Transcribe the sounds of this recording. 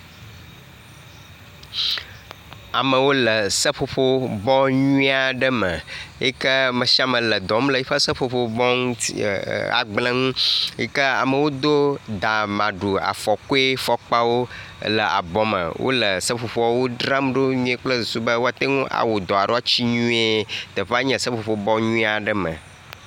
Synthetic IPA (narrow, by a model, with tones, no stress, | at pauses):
a˨mə˨wo˦lə˨sə˦ɸo˨ɸo˦bɔ˦ɲũ˦a˨ɖə˦mə˨ḛ˦kə˦mə̃˨ʃi˦a˦mə̃˨lə˨d̪ɔ˨m˦lə˨i˦ɸə˦sə˦ɸo˨ɸo˦bɔ˦ŋ˦a̰˨ɡ͡blə̃˦ŋũ˦jɛ̰˦kə˦a̰˨mə˨wo˦d̪o˦d̪a˨mã˨ɖu˨a̰˨fɔ˨ko˦e˦fɔ˨k͡pa˦wo˦ | lə˨ʔa̰˨bɔ˨mə̰˨wʔo̰˦lə˨sə˦ɸo˨ɸɔ˦wo˦ɖɾa˦mɖo˦ɲũ˦e˦k͡plə˦su˨su˦bə˦wo˦a˨t̪e˦ŋũ˦ʔa̰˨wo˨d̪ɔ˨a˨ɖo˦a˦t͡ɕi˦ɲũ˦e˦t̪ə˨ɸa˦ɲɛ̃˨sə˦ɸo˨ɸo˦bɔ˦ɲũ˦a˨ɖə˦mə̰̃˨